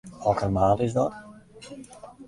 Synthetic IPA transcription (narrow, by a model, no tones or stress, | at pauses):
ʋɛlˠkənmaːlˠɪzdɔt